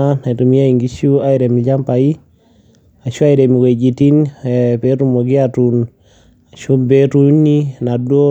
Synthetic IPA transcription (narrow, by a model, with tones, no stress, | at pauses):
a˦ne˨tu˨mi˦a˦i˨ŋɡi˦ʃu˦a˦i˨ɾe˨mi˨d͡ʒa˦mpa˨i˦ | a˨ʃu˦a˦i˨ɾe˨mi˨we˨d͡ʒi˨ti˦nɛpe˦ɾu˦mo˨ɡɪ˦atu˨n | a˨ʃo˦be˦tu˨˦ni˦na˨dwo˦